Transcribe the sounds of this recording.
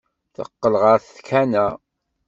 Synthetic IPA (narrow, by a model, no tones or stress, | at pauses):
θə̰qːəlʁəɾθkʰænæ